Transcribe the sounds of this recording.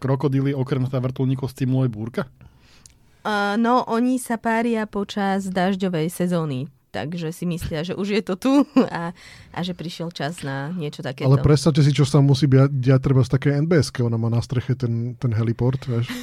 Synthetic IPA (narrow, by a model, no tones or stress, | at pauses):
kɾɔkɔd̪iliɔkɾɛmzaʋr̩t̪ɔlɲikɔst͡simlɔɛjbuːɾka | nɔʔɔɲisapaːɾɪapɔt͡ʃazd̪aːʒɟɔʋɛjsɛzɔːnit̪a̰ɡʒɛsimislɪaʒɛʔuʒjɛt̪ɔt̪uaʔa̰ʒɛpɾiʃɪɛlt͡ʃaznaɲɪɛt͡ʃɔt̪akɛːalɛpɾɛt̪st̪aʊcɛs̬it͡ʃɔst̪amːusiːbiadɟɛac̚t̪ɾɛbast̪akɛjɛnbɛːɛskɛɔnamaːnast̪ɾɛxɛt̪ɛnt̪ɛnɦɛlipɔɾt̪ʋɛʃ